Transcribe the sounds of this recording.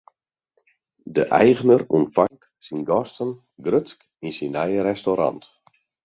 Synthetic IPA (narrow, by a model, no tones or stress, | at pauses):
dəʔɛjɣənəruntfaŋt | sinɡɔstən | ɡrøtsk | insinɛjəɾɛstoɾa̰nt